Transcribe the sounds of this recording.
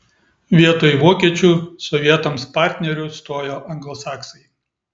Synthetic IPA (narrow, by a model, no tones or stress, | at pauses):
ʋʲiɛt̪oːjʋoːkʲiɛt͡ʃʲuːsɔʋʲiɛt̪ɐmspɑːˑɾʲt̪ʲnʲɛɾʲʊst̪oːjoːʔɐŋɡlˠɔsɑːksɐɪ